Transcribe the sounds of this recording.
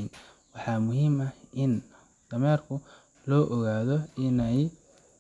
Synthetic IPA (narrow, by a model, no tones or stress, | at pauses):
n | wɑħɑːmʊɦiːmɐhʔɪn | d̪̥ɐmɛːrkʰʊ | lɔːʔɔɣaːðɔɪnɐj